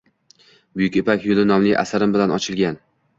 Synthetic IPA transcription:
bʊjʊkʲepʰakʲjʊlɪnɒmlɪjʔa̰saɾɪmbɪlanɒt͡ʃʰɪlɡʲan

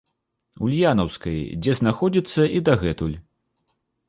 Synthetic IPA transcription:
ulʲjanɐwskɐjd͡zʲɛznaxɔd͡zʲit̪sːɐʔid̪ɐɣɛt̪ulʲ

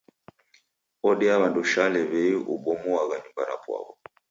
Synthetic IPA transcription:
ɔɗɛaβandɔʃalɛβɛiʔṵɓɔmuaɣaɲumbana̰pwa̰βɔ

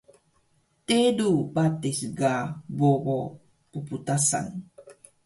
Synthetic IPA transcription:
tedubatesɡaboɣo | puputasa̰n

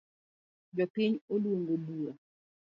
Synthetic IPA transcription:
d͡ʒɔpɪɲolwoŋɡobuɾa

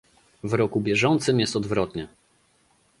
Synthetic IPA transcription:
vɾɔkubʲjɛʐɔnt̪sɘmjɛst̪ɔd̪vɾɔt̪ɲɛ

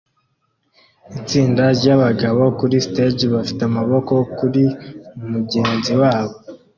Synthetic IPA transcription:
it͡siːndaɾɟaβaɡaβo̞kuɾisted͡ʒβafi̥teamaβo̞ko̞kuɾiumuɟeːnziwaːβo̞

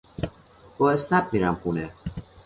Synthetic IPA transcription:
b̥ɒːesnæb̚miːɾæmxuːne

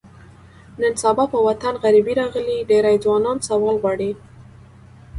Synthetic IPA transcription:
nənsabɑpəwat̪anɣaɾibiɾɑɣəliɖeɾajd͡zwɑnɑnsawɑlɣwɑɽi

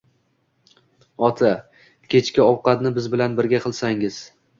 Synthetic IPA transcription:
ɒt̪ʰa | kʲʰe̞t͡ʃkʲaɒwqɑt̪nɪbɪzbɪlanbɪɾɡʲaqʰɨlˠsaŋɪz̥

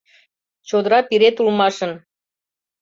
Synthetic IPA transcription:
t͡ɕod̪əɾɑpiɾet̪ulmɑʃən

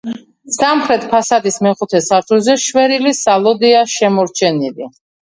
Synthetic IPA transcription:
samχɾɛt̪ʰpʰasad̪ismɛχut̪ʰɛsaɾt̪ʰulzɛʃwɛɾilisalˠɔd̪ɛaʃɛmɔɾt͡ʃʰɛnili

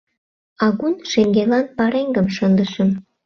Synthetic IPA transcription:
ɑɣunʃeŋɡelɑnpɑɾeŋɡəmʃənd̪əʃə̆m

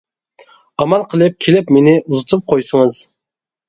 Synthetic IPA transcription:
ɑmɑlˠqʰəlˠɨp̚kʲʰelɪpmenɪʔuzɨt̪ʰɨp̚qʰojsəŋəz̥

